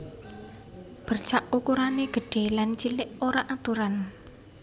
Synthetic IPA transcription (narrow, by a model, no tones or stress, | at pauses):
b̥ərt͡ʃaʔukuɾaneɡ̥ə̤ɖ̥e̤lant͡ʃilɪʔoɾaʔat̪uɾan